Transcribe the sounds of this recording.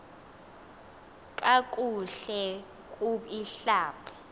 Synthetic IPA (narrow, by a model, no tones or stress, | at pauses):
kʼakʼuɬɛ | kʼuiɬaːpʰɛ̥